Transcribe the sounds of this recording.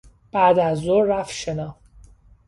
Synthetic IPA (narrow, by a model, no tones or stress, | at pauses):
b̥æːd̪æzːoɾːæfʃenɒːh